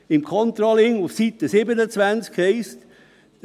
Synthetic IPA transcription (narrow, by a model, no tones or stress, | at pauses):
ɪmkʰɔnt̪ɾɑlɪŋufsit̪əsɪbənət͡svænt͡skhɛɪst̪